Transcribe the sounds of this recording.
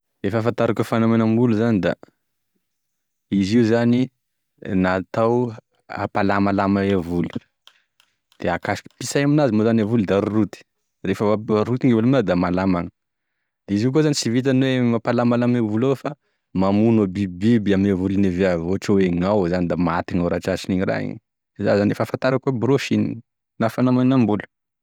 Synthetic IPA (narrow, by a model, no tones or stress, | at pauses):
efəfant̪aɾakəfanomenəmbuluzanid̪a̰ | iziuzani | nat̪aw | a̰palamalamaevulu̥ | d̪̥eakaʃi̥pisajaminazimozanavuld̪aɾuɾut̪i̥ | refəɾut̪iŋevulaminad̪amalamaŋə̥ | d̪̥eizik̬ozanisivit̪̬anwemapalamalamevulawefa | mamunobibibiaminavuluneveavoʈ͡ʂəweŋawzanid̪amat̪iŋaɾaʈ͡ʂat͡ʃiniɲira̰ɦḭɲ | iza̰zanefafant̪aɾakuəbɾoʃinḭ | nafanamaninambulə̥